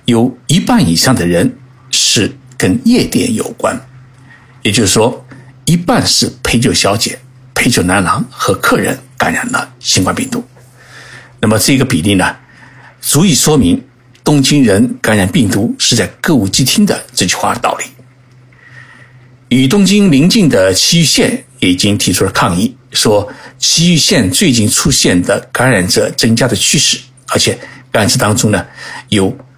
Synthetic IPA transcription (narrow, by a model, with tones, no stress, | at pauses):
jo˨˩ʊi˧˥pa˥˩ni˨˩ʂɑ˥˩ŋd̪ə˩ɻə˧˥n | ʂɻ̩˥˩kə˥njɛ˥˧t̪jɛ̰˥˩njo̰˨˩ʊkwa̰˥n | jɛ˨˩t͡ɕjo˥˧ʂ̩˩ʂwɔ˥i˧˥pa˥˧nʂɻ̩˥˩pʰe˥ɪt͡ɕjo˥˩ʊɕjɑ˧˥ʊt͡ɕjɛ̰˨˩˦ | pʰe˥ɪt͡ɕjo˥˩ʊna˧˥nlɑ˧˥ŋxɤ˧˥kʰɤ˥˩ɻə̰˧˥nka˧˥nɻa̰˨˩nlə̰˧ɕi˥ŋkwa˥npḭ˥˩ŋt̪u˧˥ | na˥˩mə˩ʈ͡ʂɤ˥˩˧ɡə˧pi˨˩li˥˩nə˩ | t͡su˧˥i˨˩ʂwɔ˥mi˧˥ŋ | t̪ʊ˥ŋt͡ɕi˥ŋɻə˧˥nka˧˥nɻa˨˩npi˥˩ŋt̪u˧˥ʂɻ̩˥˧t͡sa˥˧ɪkɤ˥˧u˥˩t͡ɕi˥˧t̪ʰi˥ŋd̪ə̰˨ʈ͡ʂɤ˥˧t͡ɕʰy˥˧xwa̰˥d̪ə˩t̪ɑ̰˥˩ʊli˥˩ | y˨˩t̪̬ʊ˥ŋt͡ɕi˥ŋli˧˥ŋt͡ɕi˥˩ŋd̪ə˩t͡ɕʰi˥y˥˧ɕjɛ˥˩njɛ˧˩i˨˩t͡ɕi˥ŋt̪ʰi˧˥ʈ͡ʂʰu˥lə˨kʰɑ˥˧ŋi˥˩ʂwɔ˥t͡ɕʰi˥y˥˧ɕjɛ˥˧nt͡swe˥˧ɪt͡ɕi˥˩nʈ͡ʂʰu˥ɕjɛ˥˩nd̪ə˩ka˧˥nɻa˨˩nʈ͡ʂə˧ʈ͡ʂɤ˥ŋt͡ɕja˥d̪ə˨t͡ɕʰy˥ʂɻ̩˥˩ | ə˞˧˥t͡ɕʰjɛ˨˩˦ka˥˩nʂɻ̩˥t̪ɑ˥ŋʈ͡ʂʊ˥ŋnə˨jo˨˩ʊ